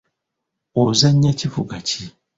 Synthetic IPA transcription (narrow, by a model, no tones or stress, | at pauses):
ozaɲɲat͡ʃifuɡat͡ʃi